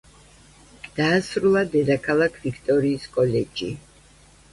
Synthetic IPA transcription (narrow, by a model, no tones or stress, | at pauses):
d̪̥aːsɾulˠad̪ɛd̪akʰalˠakʰvikʰt̪ʼɔɾiːskʼɔlɛd͡ʒi